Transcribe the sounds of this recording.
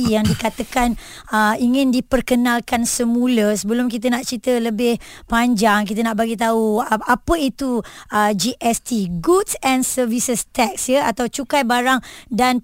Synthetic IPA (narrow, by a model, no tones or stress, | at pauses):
jaŋdikat̪əkan | əiŋɪ̃ndipərkənalkansəmũləsəbəlʊmkit̪̬ənaʔt͡ʃit̪ələbɪh | paɲd͡ʒaŋkit̪̬ənaʔbaɡit̪̬auapəit̪uəd͡ʒiʔɛst̪iɡutsɛ̃nsəvisəst̪ɛk̚sjəat̪awt͡ʃukajbaɾaŋdan